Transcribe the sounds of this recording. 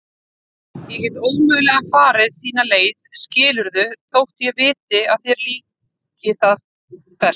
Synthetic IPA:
jɛcɛt̪oːwmʏɣlɛɣafaːɾɪðθiːnaleːjðscɪːlʏɾðʏθowht̪jɛɣvɪːt̪ɪaðθjɛɾliː | cɪθað | pɛ

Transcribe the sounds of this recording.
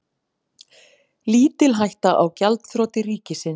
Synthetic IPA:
liːt̪ɪlɦajht̪aʔawcalt̪θɾoːt̪ɪriːcɪsɪn

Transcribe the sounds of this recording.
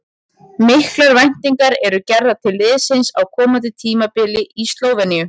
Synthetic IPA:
mɪhklaɾvajn̥t̪iŋkaɾɛɾʏcɛɾðat̪ʰɪlvɪðsɪnsawkʰɔːmant̪ɪt̪ʰiːmapɪlɪʔist̪loːwvɛnijʏ

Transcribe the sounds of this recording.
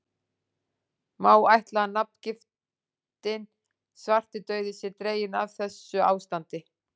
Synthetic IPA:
maːwajht̪laanːap̚n̥cɪf | t̪ɪn | svar̥t̪ɪt̪œːɥðɪsjɛɾt̪ɾeːjɪnavθɛsːʏaːwst̪ant̪ɪ

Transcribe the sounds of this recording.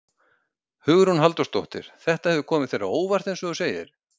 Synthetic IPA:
hʏɣʏɾ̥hunɦalt̪ɔst̪owht̪ɪ̰ɾ̥θɛht̪ahɛvʏkʰɔːmɪðθfejɾa̰oːwvar̥t̪ɛnsɔɣʏseːjɪ̰ɾ̥

